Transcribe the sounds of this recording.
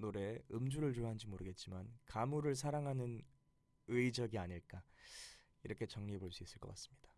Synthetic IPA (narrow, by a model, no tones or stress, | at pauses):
noɾe̞ɯmd͡ʑuɾɯɭtuɾɦand͡ʑimoɾɯɡe̞t̚t͡ɕ͈imankamuɾɯɭs̬ʰaɾaŋɦanɯn | ɯid͡ʑʌɡiaɲiɭk͈a | iɾʌkʰe̞t͡ɕʌŋɲiɦe̞boɭs͈uis͈ɯɭk͈ʌk͈as͈ɯ̥mɲid̥ḁ